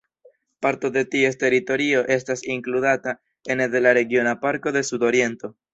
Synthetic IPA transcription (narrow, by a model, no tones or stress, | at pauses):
paɾto̞de̞tie̞ste̞ɾito̞ɾio̞ʔe̞stasiŋkludata | e̞ndelaɾe̞ɡio̞napaɾko̞de̞sudo̞ɾie̞nto̞